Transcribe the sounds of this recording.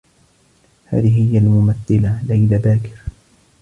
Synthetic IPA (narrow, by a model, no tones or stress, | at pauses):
ha̰ːðɪɦhɪjːalmʊmaθːɪlalajlabaːkɪ̥ɾ